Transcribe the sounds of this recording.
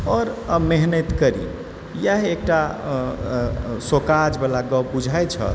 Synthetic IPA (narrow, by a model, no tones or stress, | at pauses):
ɔɾmeɦnet̪kəɾḭ | jaɦek̚ʈa | sokad͡ʒbelaɡɔbud͡ʒʱajt͡ʃʰə̰l